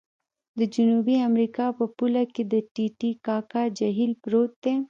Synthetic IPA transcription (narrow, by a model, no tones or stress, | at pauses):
d̪əd͡ʒunuːbiɐmɾiːkapɐpʊlaked̪əʈiʈikaːkad͡ʒɐɦiːlpɾoːt̪ːẽ